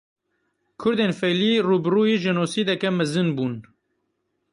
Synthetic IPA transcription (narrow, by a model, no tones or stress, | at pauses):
kʰʊɾd̪eːnfɛjliːruːbɨruːjiʒɪnoːsiːd̪ɛkɛmɛzɨnbuːn